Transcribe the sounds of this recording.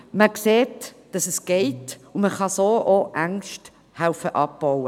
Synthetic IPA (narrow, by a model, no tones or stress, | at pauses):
məkseːt | d̥ɑsɛsɡ̥ɛɪtʊməχɑsoːʔoʔaŋʃt | hawfəʔɑp̚b̥ɔwə